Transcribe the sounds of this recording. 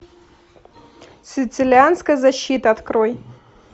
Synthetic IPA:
sʲɪt̪sɨlʲɪanskəjəzɐɕːit̪əɐt̪kɾoj

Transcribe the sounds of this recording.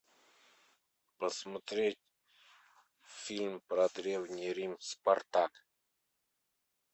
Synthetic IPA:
pəsmət̪ɾet̚ʲ | filmpɾad̪ɾewnʲeɾimspaɾt̪ak

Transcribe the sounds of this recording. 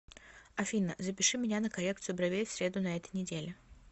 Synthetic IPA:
ɐfʲinːəzəpʲɪʂɨmʲɪnʲanəkɐlʲe̞kt̪sɨjʊbɾɐvʲejfʲsʲɾʲe̞d̪ʊnɐɛt̪əjnʲɪdʲelʲɪ

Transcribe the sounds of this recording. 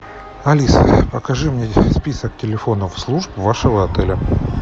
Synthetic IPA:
ɐlʲisə̰pəkɐʐɨmnʲespʲisək̚tʲɪlʲɪfo̞nəfslˠuʐbvaʂəvəɐt̪ɛlʲə

